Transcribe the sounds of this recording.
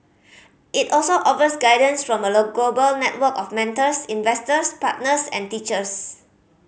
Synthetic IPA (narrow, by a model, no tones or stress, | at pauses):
ʔitɔlsoʔɔfəsɡaɪdə̃nsfɹɔ̃məloɡlobəlnɛt̚wəkɔfmɛ̃ntəsĩnvɛstəspat̚nəsɛ̰̃ntit͡ʃəs